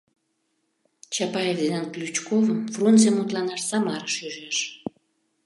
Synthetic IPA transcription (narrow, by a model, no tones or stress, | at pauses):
t͡ɕɑpɑjevd̪nenklʲut͡ɕkovəmfrunt͡semut̪lɑnɑʃsɑmɑɾəʃyʒeʃ